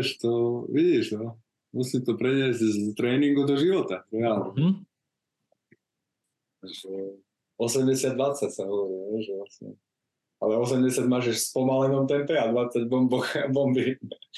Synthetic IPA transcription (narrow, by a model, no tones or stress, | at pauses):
ʃt̪ɔʋiɟiʒnɔ | musimt̪ɔpɾɛɲɪɛzɟzt̪ɾɛːniŋɡud̪ɔʒiʋɔt̪aɾɛalnɛ | ʒɛ | ɔsɛmɟɛsɪad̪ʋat͡sacsaɦɔʋɔɾilʋɛʒɛʋlasɲɛ̰ | alɛɔsɛmɟɛsɪaɟmaːʒɛʃspɔmalinɔmt̪ɛmpɛad̪ʋat͡saɟbɔmbɔxbɔmbi